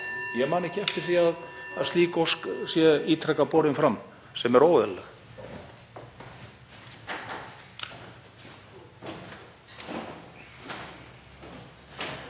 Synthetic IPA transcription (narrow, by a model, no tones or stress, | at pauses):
jɛɣmaːnɛhcɪɛft̪ɪɾ̥θiaðaðsiːkɔsksjɛiːt̪ʰɾɛkːapɔːɾɪnfɾam | sɛmɛɾoːwðɛlɛx